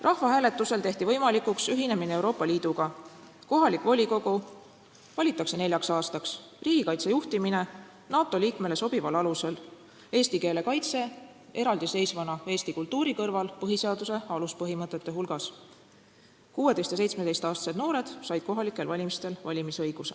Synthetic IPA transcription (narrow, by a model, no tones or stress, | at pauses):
rʔɑhvɑɦæːle̞t̪ːˑuse̞lt̪e̞ht̪ivɤjmɑlikuksyɦine̞mineewɾo̞ːpːˑɑliːd̪̥uɡ̥ɑ | ko̞ɦɑlikvo̞lʲiko̞ɡ̥u | vɑlʲit̪ːˑɑkse̞ne̞lʲjɑksɑːst̪ɑks | riːɡ̥ikɑjt̪se̞juht̪imine̞ | nɑːt̪ːˑo̞liːkme̞le̞so̞b̥ivɑlɑluse̞l | e̞ːst̪ike̞ːle̞kɑjt̪se̞ | e̞ɾɑld̪ise̞jsvɑnɑe̞ːst̪ikult̪ːˑuːɾikɤrvɑlpɤɦise̞ɑd̪use̞ɑluspɤɦimɤt̪ːˑe̞t̪ːe̞ɦulɡ̥ɑs | kuwe̞d̪e̞jst̪jɑsejt̪sme̥e̞jst̪ɑːst̪ɑ̥sed̪noːɾe̞d̪̥sɑjd̪̥̚ko̞ɦɑlikːˑe̞lvɑlʲimist̪e̞lvɑlʲimisɤ̞jɡ̥usḛ